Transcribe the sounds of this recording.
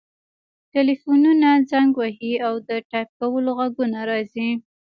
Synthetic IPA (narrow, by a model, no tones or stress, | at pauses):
ʈɪlifununad͡zaŋɡwaɦiawd̪əʈɑjp̚kawəloɣaɡunaɾɑzi